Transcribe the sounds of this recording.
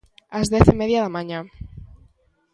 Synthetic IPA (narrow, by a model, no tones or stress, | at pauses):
azðeθimeðjaðamãɲã